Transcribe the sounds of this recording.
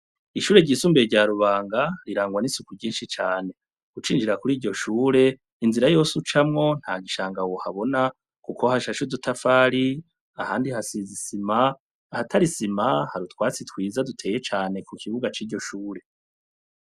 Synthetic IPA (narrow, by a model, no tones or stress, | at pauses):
iʃuːɾe̞ɟiːsuːmbeɾɟaːɾuβaːŋɡaɾiɾaːŋɡwanisukuɟiːnʃit͡ʃaːne̞ | ɡ̥ut͡ʃiːnd͡ʒiɾakuɾiːɾɟo̞ʃuːɾe̞ | inziɾajo̞ːsut͡ʃamŋo̞n̥haːɡiʃaːŋɡawohaβo̞na | kukʰo̞haʃaʃudutʰafaːɾi | ahaːndihasizisimaː | hatʰaɾisimahaɾutwaːt͡sitwiːzadutʰe̞ːje̞t͡ʃaːne̞kukʰiβuɡat͡ʃiːɟo̞ʃuːɾe̞